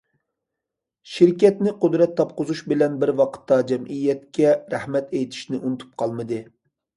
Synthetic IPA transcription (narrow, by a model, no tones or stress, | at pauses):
ʃiɾkʲɛt̪nɪqʊd̪ɾɛt̪ʰːɑp̚qʊzuʃbɪlɛnbɪɾwɑqʰə̥t̪ːɑd͡ʒɛmʔijːɛt̪kʲɛɾæhmɛt̪ejt̪ʰi̥ʃnɪʔunɨt̪ʰu̥p̚qʰɑlˠmɨd̪ɨ